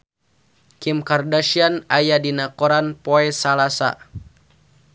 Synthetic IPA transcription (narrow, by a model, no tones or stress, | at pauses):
kimkardaʃianajadinakoɾanpoɛsalasa̰